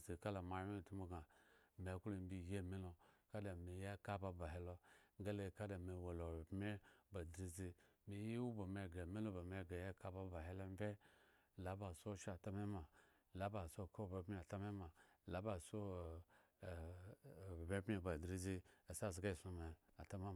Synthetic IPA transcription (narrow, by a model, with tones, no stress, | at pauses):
zi˨ka˦la˨ma˨˦e˦˨tu˦mo˦ɡa˨me˨ku˦lo˨m˦bi˦je˦˨mi˦lo˨ka˦da˨mi˨ja˦ka˦ba˨ba˨ɦe˨˦lo˦ŋ˦ɡa˦le˨ka˦da˨me˨wo˨lo˨bbme˦ba˨dɾi˦zi˦mi˨ji˦wu˦ba˨me˨ɡe˨mi˦lo˦ba˨me˨ɡe˨je˦ka˦ba˦ba˨ɦe˦lo˦m˦vʲe˦ | la˦ba˨so˦ʃa˦˨ta˦me˦ma˨ | la˨˦ba˨so˦˨ko˦˨ba˨be˦a˨ta˦me˦ma˨la˨˦ba˨so˦˨ | bbe˦pe˦ba˨dɾi˦zi˦a˨sa˦˨zɡa˦i˨su˨me˨a˨ta˦me˦˨